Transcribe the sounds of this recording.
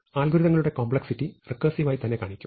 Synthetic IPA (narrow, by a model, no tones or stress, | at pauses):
aːlɡʱuɾiðɐŋːɐɭuɽe̞koːmbɭeksitːirɨkːɐsiʋaːjit̪ɐnːekaːɳikʲːu̥